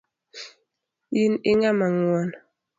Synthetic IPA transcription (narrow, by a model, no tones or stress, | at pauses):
jiniŋamaŋwɔn